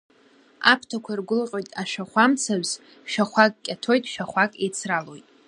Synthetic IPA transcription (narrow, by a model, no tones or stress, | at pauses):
a̰pʰtʰakʷʰarɡʷʊlqʲʼo̞jtʼaʃᶣaχʷamt͡sʰaɥz | ʃᶣaχʷakʼkʲʼatʰo̞jtʼʃᶣaχʷakʼḛjt͡sʰralo̞jtʼ